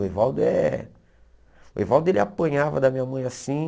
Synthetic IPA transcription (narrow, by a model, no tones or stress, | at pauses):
evawd̪ʊɛ̰ | ʊḛvawd̪ʊelɪa̰pɐ̃ɲavɐd̪ɐmĩɲamɐ̃j̃asĩ